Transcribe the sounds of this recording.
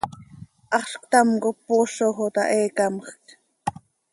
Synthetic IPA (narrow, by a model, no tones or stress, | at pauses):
ʔɑχʃkt̪ɑmkopːoʃoxot̪ɑ̰ʔeːkɑmχk